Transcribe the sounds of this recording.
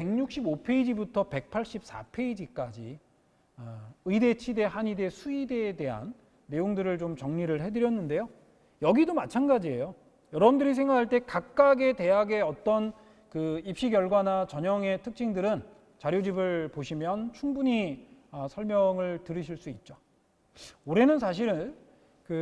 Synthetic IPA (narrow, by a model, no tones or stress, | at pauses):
pe̞ŋɲuk̚ɕ͈ibopʰe̞id͡ʑibutʰʌpe̞k̚pʰaɭɕ͈ip̚s͈a̰pʰe̞id͡ʑik͈ad͡ʑi | ɯide̞t͡ɕʰide̞ɦaɲide̞sʰuideːde̞ɦa̰nː | e̞joŋdɯɾɯɭt͡ɕomt͡ɕʌŋɲiɾɯɭhe̞dɯɾjʌnːɯnde̞jo | jʌɡidomat͡ɕʰanɡad͡ʑie̞jo | jʌɾʌbɯndɯɾis̬ʰe̞ŋɡakʰaɭt͈e̞kak̚k͈aɡe̞te̞ɦaɡe̞ʌt͈ʌn | kɯip̚ɕ͈iɡjʌɭɡwanat͡ɕʌɲʌŋe̞tʰɯk̚t͡ɕ͈ʰiŋdɯɾɯn | t͡ɕaɾjod͡ʑibɯɭpoɕʰimjʌnt͡ɕʰuŋbuɲiʌsʰʌɭmjʌŋɯɭtɯɾɯɕʰiɭs͈uit̚t͡ɕ͈o | oɾe̞nɯnsʰaɕ̬ʰiɾɯn | kɯ